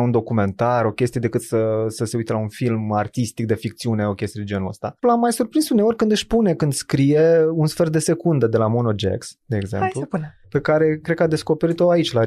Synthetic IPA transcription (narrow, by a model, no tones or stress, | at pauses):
und̪o̞kume̞nt̪aɾo̞kʲe̞st̪ied̪e̞kɨt̪səsəseujt̪əlaunfilmart̪ist̪ik̚d̪e̞fik̚t̪siune̞o̞kʲe̞st̪ijd̪ed͡ʒe̞nuə̰st̪alamːajsurpɾinsune̞o̞rʲkɨnd̪ɨʃʲpune̞kɨnd̪skɾije̞unsfe̞rt̪̚d̪e̞se̞kund̪əd̪e̞lamonod͡ʒḛksd̪e̞ːɡzḛmplupunpe̞kaɾe̞kɾe̞d̪kad̪e̞sko̞pe̞ɾit̪o̞ait͡ʃʲla